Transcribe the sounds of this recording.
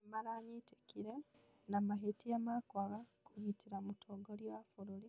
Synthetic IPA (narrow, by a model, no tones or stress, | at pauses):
malaɲitekiɾe | namaɦitijamakwaɣakuβitiɾamutʰoɡoljafuɾuli